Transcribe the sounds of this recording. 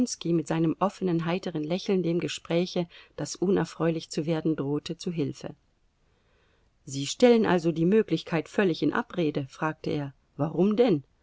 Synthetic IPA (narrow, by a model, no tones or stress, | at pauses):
nskimɪtz̥aɪnəmʔɔfənənɦaɪtəʁənlɛçl̩ndeːmɡəʃpʁ̥ɛːçəd̥asʔʊnɛ̰ɐfʁ̥ɔʏlɪçt͡suveːɐdn̩dʁoːtʰət͡suɦɪlfə̰ | ziːʃtɛlənʔa̰lzodiːmøːklɪçkʰaɪtfœlɪçɪnʔa̰pʁeːdəfʁ̥aːk̚təʔeːɐ | vaʁʊmdɛn